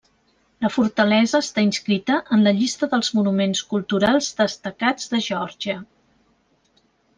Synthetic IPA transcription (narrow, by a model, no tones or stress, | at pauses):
ləfuɾt̪əlɛzəːst̪ainskɾit̪əʔənləʎist̪əðəlˠzmunumenskulˠt̪uɾalˠzðəst̪əkad͡zðəʒɔɾʒiə